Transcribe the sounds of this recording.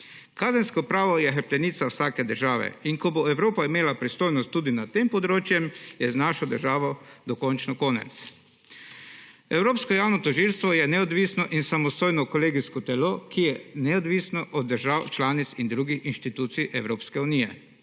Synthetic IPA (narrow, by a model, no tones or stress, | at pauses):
kaːzɛnskɔpɾaːʋɔjɛxəɾpt̪ɛnit̪sawsaːkɛd̪əɾʒaːʋɛ̰inkɔboɛwɾoːpaimeːlapɾist̪oːjnɔst̪ːuːd̪inat̪empɔd̪ɾoːt͡ʃjɛmjɛznaːʃɔd̪əɾʒaːʋɔd̪ɔkɔnt͡ʃnɔkoːnɛ̰t̪s | ɛwɾoːpskɔjaːwnɔt̪ɔʒilst̪ʋɔjɛnɛɔd̪ʋisnɔʔinsamɔst̪oːjnɔkɔleːɡiskɔt̪ɛlokijɛnɛɔd̪ʋisnɔʔɔd̪̚ːəɾʒaːwt͡ʃlaːnit̪sind̪ɾuːɡixinʃt̪it̪uːt̪siʔɛwɾoːpskɛuniːjɛ